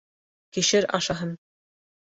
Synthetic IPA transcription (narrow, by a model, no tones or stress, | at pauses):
kiʃɘɾɑʃɑɦɤn